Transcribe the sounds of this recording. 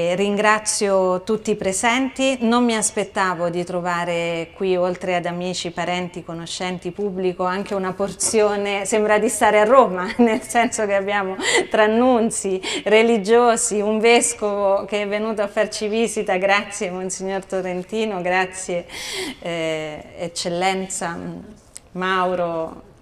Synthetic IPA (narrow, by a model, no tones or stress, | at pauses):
riŋɡɾat̪sjot̪ut̪ːipɾezɛnt̪inomːiaspet̪ːaːvod̪it̪ɾovaːɾekwiolt̪ɾead̪amiːt͡ʃipaɾɛnt̪ikonoʃːɛnt̪ipubːlikoaŋk̟eunaport̪sjoːnesembɾad̪ist̪aːɾearːoːmanelsɛnsokeabːjaːmot̪ɾanːunt̪sirelid͡ʒoːziuɱveskovokeɛvːenuːt̪oafːart͡ʃiviːzit̪aɡɾat̪sːjemonsiɲːort̪oɾent̪iːnoɡɾat̪sːje | t͡ʃːelːɛnt̪sa | mawɾo